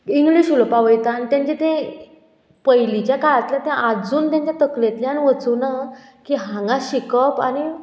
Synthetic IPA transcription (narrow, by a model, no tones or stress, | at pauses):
iŋɡliɕulpaʋəjt̪ant̪jãɲt͡ɕet̪ẽ | pəjlit͡ɕjakaɭat̪ljat̪ɛ̃ʔad͡zuːnt̪jãɲt͡ɕjat̪əklẽt̪ljaniʋət͡suna | kiɦãŋɡãɕikəpani